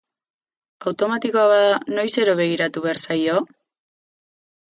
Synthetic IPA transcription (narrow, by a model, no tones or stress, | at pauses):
awt̪o̞mat̪iko̞aβaðano̞jse̞ɾo̞β̞e̞ɣ̞iɾat̪uβeaɾsajo̞